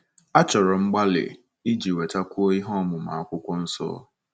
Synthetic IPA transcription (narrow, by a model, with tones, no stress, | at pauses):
a˦t͡ʃɔ˨ɾɔ˨ŋ͡m̩˦ɡ͡ba˦lɪ̰˨ | i˦d͡ʒi˨we˨ta˦kʷu˦o˦i˦ɦɔ˦mʊ˨ma̰˨kʷʊ˦kʷɔ˦n̩˦sɔ̰˦